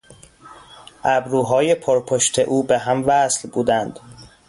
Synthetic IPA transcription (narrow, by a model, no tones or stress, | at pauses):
ʔæbɾuːɦɒːje̞pʰoɾpʰoʃt̪ʰḛʔuːbeɦæmvæslbuːd̪ænd̪̥